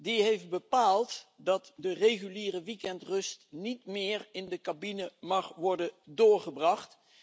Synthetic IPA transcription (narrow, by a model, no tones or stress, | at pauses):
diɦejft̚bəpaːlˠtdɑtdərejχyliːrəʋikɛntrɵstnitmɪːɹɪndəkabinəmɑχʋɔɹdədʊːɹχəbrɑχt